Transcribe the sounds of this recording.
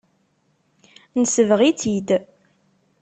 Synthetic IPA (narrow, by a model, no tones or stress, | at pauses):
nəsəvʁit͡sid̪